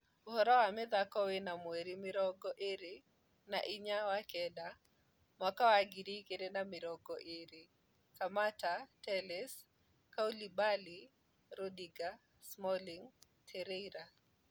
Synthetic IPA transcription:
hɔɾɔamɛðakɔwɪnamweɾimɪɾɔɡɔʔɪɾɪ | naʔiɲawakɛda | mwakawaɡiɾikedenamɪɾɔɡɔʔɪɾɪ | kamatatɛlɛs | kaulibali | ɾɔdiɡa | smɔliŋ | tʰɛɾeiɾa

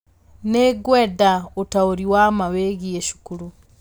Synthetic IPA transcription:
neɡwedaotaoɾiwamaweɡieʃu̥kuɾu

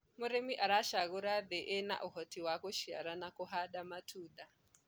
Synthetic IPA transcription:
mʊɾemiʔaɾaʃaɣuɾadeʔena̰ʔɔhɔtiwakuʃija̰ɾanakoɦaɗamatʰuːda

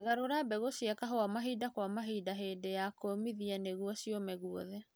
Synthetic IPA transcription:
ɣaɾoɾabɛɣosiakaɦoamaɦiːdakwamaɦidaɦeːndejakomiðianeɣuɔsiɔmɛɣuɔðɛ

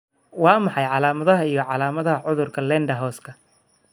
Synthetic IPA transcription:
wɑːmɑħɑjʕɑlaːmɐðɐɦɐijɞʕɑlaːmɐðɐɦɐʕʊðʊrkʰɐlɛːɳɖɐɦɔːskʰɐ

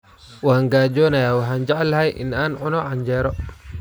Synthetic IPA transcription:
wahaŋɡaːd͡ʒɔːnajawaħand͡ʒaʕalhajʔɪ̰naːnʕʊnɔʕand͡ʒɛːɾɔ

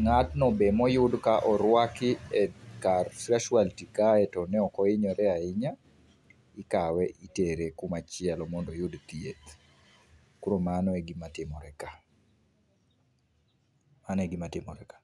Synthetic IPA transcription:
ŋatnɔbemɔjʊdkaʔɔɾwakɪɛkarskaʃwaltikaɛtɔnɛɔkɔɪɲɔɾɛaɪɲa | ɪkawɛʔiteɾekumat͡ʃɪɛlɔmɔndɔjʊdt̪iet̪ | kuɾomanɔeɡimatɪmɔɾɛka | maneɡimatɪmɔɾɛkḁ

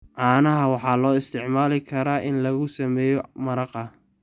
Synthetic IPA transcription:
ʕɑːnɐɦɐwɑħɑːlɔːɪst̪ʰɪʕmaːlɪkʰɐɾaːʔɪnlɐɣʊsɐmɛːjɔmɐɾɐqɐ

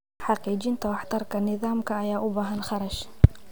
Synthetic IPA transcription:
ħɑqiːd͡ʒɪnt̪ʰɐwɑħt̪ʰɐrkʰɐnɪðaːmkʰɐːjaːʔʊbaːɦɐnχɑɾɐʃ

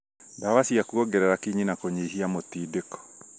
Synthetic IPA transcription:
ndawasiakuoɡɛɾɛɾakiɲinakoɲiɦiamotiːdekɔ̥

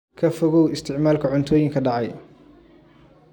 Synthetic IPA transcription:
kʰɐfɔɣɔwɪst̪ʰɪʕmaːlkʰɐʕʊnt̪ʰɔːjɪŋkʰɐɖɑʕɑj

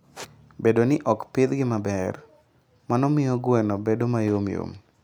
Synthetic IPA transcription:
bedonɪʔɔkpɪd̪ɡɪmabɛr | manɔmɪjɔɡwenɔbedomajomjo̰m

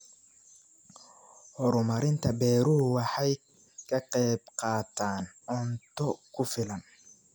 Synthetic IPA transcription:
hɔɾʊmɐɾɪnt̪ʰɐbɛːɾʊɦʊwɑħɑj | kʰɐqɛbqɑːt̪ʰaːnɔnt̪ʰɔkʰʊfɪlɐn

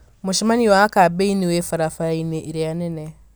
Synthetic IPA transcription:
muʃimaniwakabeiniwefaɾafaɾaineʔiɾejanene

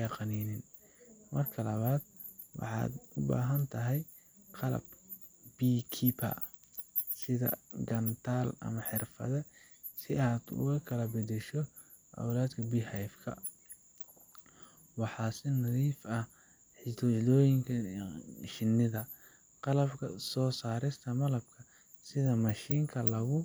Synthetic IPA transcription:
ɑqɑniːnɪn | mɐrkʰɐlɐβaːd̪̥ | wɑ̰ħɑ̰ːd̪ʊba̰ːɦɐnt̪ʰɐɦɛj | qɑlɐ̰b | b̥iːkʰipʰa̰ | sɪðɐ̰ɡɐnt̪ʰaːlɐ̰mɐħɪrfɐ̰ðɛ | sɪaːd̪ʊ̰ɣɐkʰɐlɐbɐd̪ɛʃɔ | ʔɐ̰wlaːd̪kʰɐbiːhɛjfkʰɐ̰ | wɑħɑːsɪnɐðiːfɐh | ħɪt̪ʰɔlɔːjɪŋkʰɐ | ʃɪnːɪðɐ | qɑlɐbkʰɐsɔːsaːɾɪst̪ʰɐmɐlɐb̚kʰɐ | sɪðɐmɐʃiːŋkʰɐlɐɣʊ

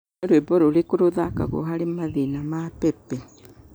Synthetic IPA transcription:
oɾoebɔɾoɾekoɾoðaka̰ɣo̰ɦaɾemaðinamapɛpɛ

